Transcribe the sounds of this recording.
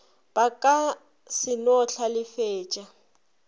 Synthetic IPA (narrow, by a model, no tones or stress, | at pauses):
b̥akʼa | sɪnɔɬʰalɪfeːt͡ʃʼa